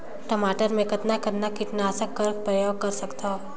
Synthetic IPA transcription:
ʈɐmaːʈəɾmẽkɐt̪nakɐt̪nakɪt̪naːsakːɐɾpɾəjoːɡ̚kɐɾsɐkt̪a

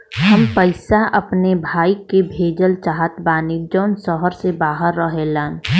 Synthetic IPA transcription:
həmpəɪsaʔɐpnebʱaːikebʱeːd͡ʒəlt͡ʃaːɦət̪baːniːd͡ʒɔːnsɔɦəɾsebaːɦəɾːəɦelaːn

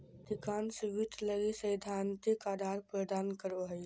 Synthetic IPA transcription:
d̪ikaːnsɪʋit̪ləɡisəjd̪ʱant̪ikaːd̪ʱaːɾpɾəd̪aːnkəɾoɦəj

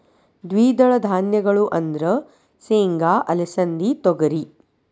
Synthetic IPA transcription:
d̪ʋiːd̪ɐɭɐd̪ʱaːnjɐɡɐɭuʔɐnd̪ɾɐ | seːŋɡaːʔɐlɐsɐnd̪it̪ɔɡɐɾi

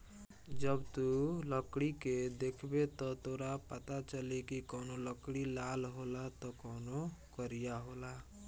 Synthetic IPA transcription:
d͡ʒʌbt̪uləkɽiked̪ekʰbet̪ɔt̪oɾapət̪at͡ʃəlekikɔwnoləkɽilalɦolat̪ɔkɔwnokəɾijaɦola

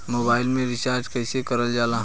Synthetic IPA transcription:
moːbaːɪilmẽɾɪsaɾʈkəɪsekəɾəld͡ʒaːlaɦ

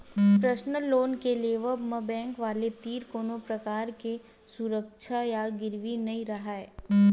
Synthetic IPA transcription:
pɾɐʃnəlːoːnkeleːʋəbmɐbɛ̃ːŋkʋaːlet̪iːɾkoːnõpɾɐkaːɾke | suɾəkʃʰajaɡɪɾʋinɐĩɾɐɦaɛː

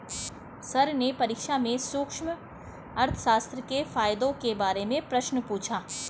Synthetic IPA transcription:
sɐɾnepɐɾiːkʃamẽsʊkʃm | ɐɾt̪ʰə̥ʃaːst̪ɾəkefaːjd̪õkebaːɾemẽpɾɐʃnəpuːt͡ʃʰaː

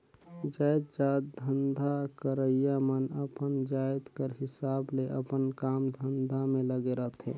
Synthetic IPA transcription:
d͡ʒajd̪d͡ʒaːd̪̚d̪ʱənd̪ʱakəɾəijamənəpənd͡ʒajt̪kəɾɦɪsaːbleʔəpənkaːmd̪ʱənd̪ʱamẽləɡeɾəɦt̪ʰɦɛ̰̃

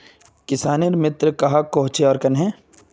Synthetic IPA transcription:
kɪsaːniɾmɪt̪ɾkɐɦakoɦt͡ʃeɔːɾkɐnɦɛ̃ː

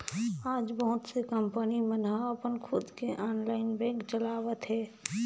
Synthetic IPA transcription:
aːd͡ʒbəɦʊt̪sekəmpənimənaəpənkʰʊd̪keʔaːnlaːɪnbɛ̃ːkt͡ʃəlaːʋət̪ɦɛː

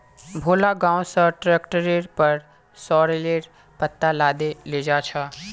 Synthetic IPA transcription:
bʱoːlaɡãːõsəʈɾeːkʈəɾeɾpəɾ | sɔːɾeleːɾ | pət̪ːalaːd̪eleːd͡ʒaːt͡ʃʰa

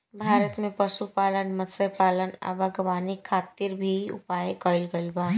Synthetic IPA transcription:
bʱaːɾət̪mẽpəsupaːlənməd̪səpaːlənə̰bʱaɡəʋaːnikʰːaːt̪iɾbʱiʊ̰paːjekɔːɪlɡəlbaː

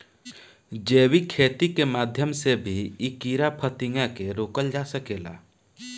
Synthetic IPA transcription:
d͡ʒeːwikʰeːt̪ikemaːd̪ʱjəmsebʱiɪkiːɾapʰət̪ɪŋɡãkeɾoːkəld͡ʒasəkeːla̰ː

